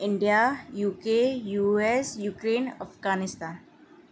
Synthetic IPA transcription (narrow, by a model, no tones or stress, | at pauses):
ɪɳɖijajuːkejuːesjuːkɾeːnəfɡaːnɪst̪aːn